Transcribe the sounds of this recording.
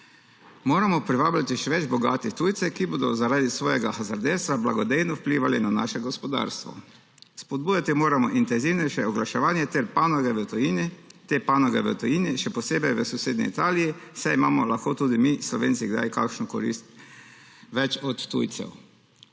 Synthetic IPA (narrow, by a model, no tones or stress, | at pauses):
moːɾamɔpɾiʋaːblat̪iʃɛʋɛd͡ʒbɔɡaːt̪it̪ujt̪sɛkiboːd̪ɔzaɾaːd̪isʋoːjɛɡaxazaɾd̪ewst̪ʋabla̰ɡɔd̪ejnɔwpliːʋalinana̰ːʃɛɡɔspɔd̪a̰ːɾst̪ʋɔ̰ | spɔd̪̚buːjat̪imoːɾamɔʔint̪ɛnziːwnɛjʃɛɔɡlaʃɛʋaːnjɛt̪ɛɾpaːnɔɡɛʋət̪ɔjinit̪epanɔɡɛʋə̰t̪ɔjiniʃɛpɔseːbɛjʋəsɔseːd̪nḭḭt̪aːlijisɛimaːmɔlaxkot̪uːd̪imislɔʋḛːntsiɡd̪a̰jka̰kʃnɔkɔ̰ɾḭst̪ | ʋɛt͡ʃɔt̪ːṵjt̪sɛ̰w